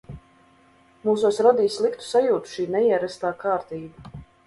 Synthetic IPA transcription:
muːsusɾɔd̪iːslˠikt̪u̥sajuːt̪u̥ʃiːnɛiɛɾæst̪aːkaːɾt̪iːba

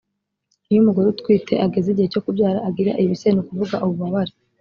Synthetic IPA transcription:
ijumuɡoɾutkwiːtʰe̞̰ʔaɡe̞zeɟiheco̞kubjaːɾaʔaɡiɾa̰ʔijiβisenokuvuɡaʔoβuβaβaɾe

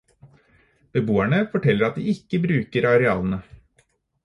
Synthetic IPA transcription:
b̥əboːæɳəfɔʈʰɛlːəɾɑt̪̚d̪iːɪkːəbɾʉːkəɾɑɾɛɑ̰ːlən̩ə

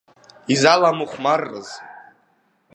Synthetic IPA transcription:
izalamuχʷmarːɨ̰z

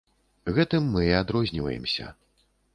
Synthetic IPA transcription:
ɣɛt̪ɨmːɨad̪ɾɔzʲnʲivɐ̰jɛ̰msʲɐ̰

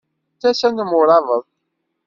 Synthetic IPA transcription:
θæsænəmʊɾˤɑvəðˤ

